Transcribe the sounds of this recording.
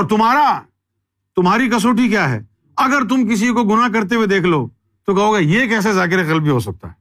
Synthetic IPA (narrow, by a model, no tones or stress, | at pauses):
ɔːɾt̪ʊmɦaːɾa | t̪ʊmɦaːɾik̬ɐs̬oːʈ̬ikjaːɦɛ̰ː | ɐɡəɾt̪̬ʊmk̬ɪs̬ikoɡʊnakɐɾt̪̬ewed̪eːkʰloː | t̪okɐɦoːɡɛjekɛːs̬ezaːk̬ɪɾekɐlbʱiɦos̬ɐk̚t̪a̰ɦɛ